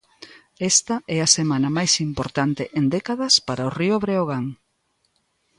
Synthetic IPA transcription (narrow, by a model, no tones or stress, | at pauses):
ɛst̪ɐɛɐsemanɐmajsimpoɾt̪ant̪ɪʔend̪ɛkaðɐspaɾaʊrioβɾeoɣ̞aŋ